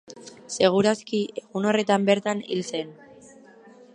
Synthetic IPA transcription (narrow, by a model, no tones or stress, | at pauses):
se̞ɣ̞uɾaskiʔe̞ɣuno̞re̞t̪ambe̞ɾt̪anḭlse̞n